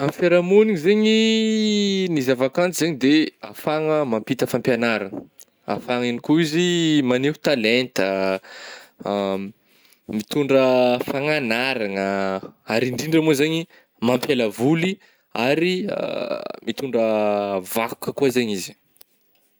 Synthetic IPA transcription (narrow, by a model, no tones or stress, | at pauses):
amfeɾamunizeɲi | nizavakant͡sizeɲid̪ea̰faŋəmampit̪əfampjanaɾan | a̰faŋinikuizimaneɦu̥t̪alent̪ə | mit̪uɳɖ͡ʐəfaŋanaɾaŋəaɾiɳɖ͡ʐiɳɖ͡ʐəmozeɲi | mampjalavuli | aɾiə̰mit̪uɳɖ͡ʐəvaku̥kəkuazeɲizi̥